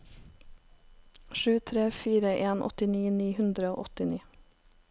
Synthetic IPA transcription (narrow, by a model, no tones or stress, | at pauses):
ʃʉːt̪ʰɾeːfiːɾəʔeːnʔɔ̰t̪ɪniːniːhʉnd̪ɾəo̰ːʔɔt̪ɪniː